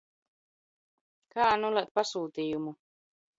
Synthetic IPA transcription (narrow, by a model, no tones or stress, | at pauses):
kaːnulat̪̚pasuːt̪iːjumu